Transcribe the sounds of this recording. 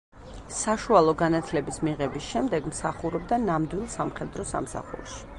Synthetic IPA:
saʃualˠɔɡanat̪ʰlɛbismiʁɛbisʃɛmd̪ɛɡmsaχuɾɔbd̪anamd̪wilˠsamχɛd̪ɾɔsa̰msa̰χṵɾʃi̥

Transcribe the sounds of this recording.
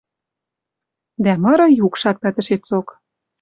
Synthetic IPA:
d̪æmɤ̆ɾɤ̆jukʃɑt̪̚pæt̪ə̆ʃet͡sok

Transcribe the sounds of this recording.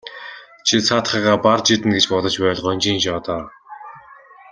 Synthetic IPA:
t͡ɕʰit͡sʰat̪χiːʁaːpart͡ɕit̪ɘ̆nɡet͡ɕpɔt̪ə̆t͡ɕpæːɮ̆χɔnʲt͡ɕiːnɕɔːt̪aː

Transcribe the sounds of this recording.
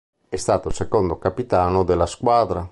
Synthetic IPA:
ɛst̪aːt̪olsekond̪okapit̪aːnod̪elːaskwaːd̪ɾa

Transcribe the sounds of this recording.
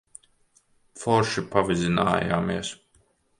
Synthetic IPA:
fɔɾʃipavizina̰ːja̰ːmiɛs

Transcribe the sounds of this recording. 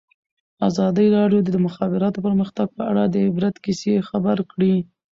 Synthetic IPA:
azɑd̪əɾɑɖjod̪əd̪əmʊxɑbɪɾɑt̪opəɾməxt̪aɡ̚pəaɽad̪əɪbɾat̪kisexabaɾkɽi

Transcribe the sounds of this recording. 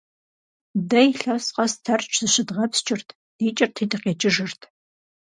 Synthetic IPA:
dɐjɬɐsqɐstʰɐrt͡ʃʼʰz̥ɨʃɪdʁɐpst͡ʃʼɪrtʰ | d̥iːt͡ʃʼɪrtʰiːdɨqeːt͡ʃʼɪʒɨrtʰ

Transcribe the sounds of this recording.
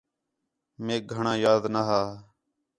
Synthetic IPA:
meːk̚ɡʱəɳãːjaːd̪naɦaː

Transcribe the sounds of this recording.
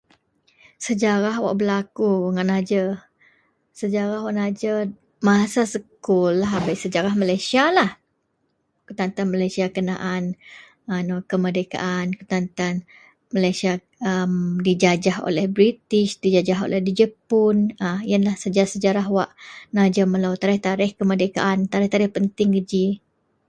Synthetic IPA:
səd͡ʒaɾaɦwa̰ʔbəlakuŋaʔnad͡ʒə | səd͡ʒaɾahwaʔnad͡ʒə | masasəkkulaɦabajsəd͡ʒaɾahmalajsialah | kut̪ant̪anmalajsiakəna̰ʔan | anokəmədeka̰ʔankut̪ant̪an | məlajsia | əmdid͡ʒad͡ʒaɦo̰lɛhbɾit̪ɪʃdid͡ʒad͡ʒaɦo̰lɛhdid͡ʒəpʊnaiənlahsəd͡ʒaasəd͡ʒaɾaɦwaʔnad͡ʒəməlawt̪aɾɪht̪aɾɪhkəmərdeka̰ʔant̪aɾɛht̪aɾɪhpənt̪ɪŋkəd͡ʒi

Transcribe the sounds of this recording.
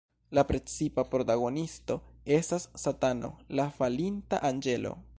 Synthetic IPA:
lapɾe̞t͡sipapɾo̞taɡo̞nisto̞e̞stasːatano̞̰lafalintaʔand͡ʒe̞lo̞̰

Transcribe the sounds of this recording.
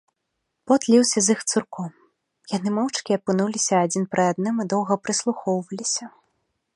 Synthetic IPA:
pɔt̪lʲiwsʲɐzixt̪surkɔm | janɨmɔwt͡ʂkʲiɐpɨnulʲisʲɐːd͡zʲinpɾɨad̪nɨmɨd̪ɔwɣɐpɾɨslˠuxɔwvɐlʲisʲɐ

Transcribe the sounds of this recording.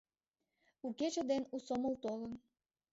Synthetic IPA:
uket͡ɕə̆d̪enusoməlt̪olən

